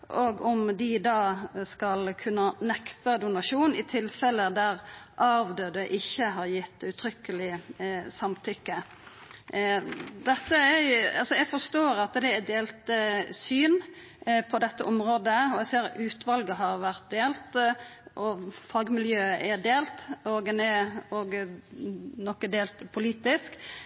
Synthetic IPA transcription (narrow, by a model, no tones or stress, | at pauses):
ʔɔɡɔmd̪ɪd̪ɑːskɑlkʰʉnːənɛkt̪əd̪ʊnɑʂuːnɪt̪ʰɪlfɛlːəd̪æʁʔɑʋd̪øːd̪əʔɪçːəɦɑɾjɪt̪ːʉt̪ʰɾʏkːəlɪsɑmt̪ʰʏkːə | d̪ɛt̪ːəæɑlsɔjæɡfɔst̪oːɾɑt̪d̪ɛːd̪eːlt̪syːn | pʰɔd̪ɛt̪ːəʔɔmɾoːd̪əɔɛseːɾʉːt̪ʋɑlɡəɦɑɾʋæʁt̪̚d̪eːlt̪ʔɔfɑɡmɪljøːəʔæd̪eːlt̪oɡɛnɛɔɡ | nɔkːəd̪eːlt̪pʰʊliːt̪ɪsk